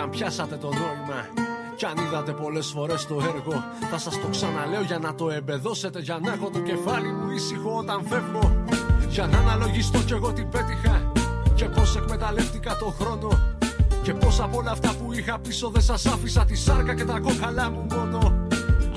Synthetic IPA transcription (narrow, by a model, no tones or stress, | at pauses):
ɐmpçɐsɐt̪e̞t̪o̞nomimɐ | cɐniðɐt̪e̞po̞le̞sfo̞ɾe̞st̪o̞e̞ɾɣo̞ | θɐsɐst̪o̞ksɐnɐle̞o̞ʝɐnɐt̪o̞e̞mbe̞ðo̞se̞t̪e̞ʝɐnɐxo̞t̪o̞ce̞fɐlimuisixo̞o̞t̪ɐɱfe̞mo̞ʝɐnɐnɐlo̞ʝist̪o̞ce̞ɣo̞t̪imbe̞t̪ixɐce̞po̞se̞kme̞t̪ɐle̞ft̪ikɐt̪o̞xɾo̞no̞ce̞po̞sɐpolɐːft̪ɐpuixɐpiso̞ðe̞sɐsɐfisɐt̪isɐɾkɐce̞t̪ɐko̞xɐlɐmumo̞no̞